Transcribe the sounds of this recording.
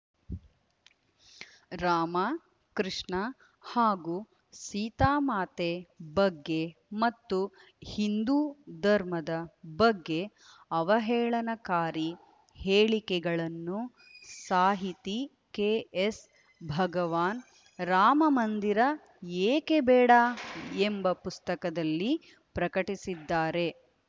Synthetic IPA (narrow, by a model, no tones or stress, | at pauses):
ɾaːmɐ | kɾiʂɳɐ | haːɡuː | siːt̪aːmaːt̪ebɐɡːe̞mɐt̪ːu | hind̪uːd̪ʱɐɾmɐd̪ɐbɐɡːe̞ | ɐʋɐɦɛːɭɐnɐkaːɾi | heːɭikɛɡɐɭɐnːu | saːɦit̪i | keːes | bʱɐɡɐʋaːn | ɾaːmɐmɐnd̪iɾɐ | eːkebɛːɽaembɐpust̪ɐkɐd̪ɐlːi | pɾɐkɐʈisid̪ːaːɾe̞